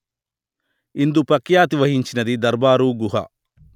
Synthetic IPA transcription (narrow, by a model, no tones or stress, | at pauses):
ind̪upɐkjaːt̪̬iʋɐɦiɲt͡ʃinɐd̪id̪ɐɾbaːɾuːɡuɦɐ̰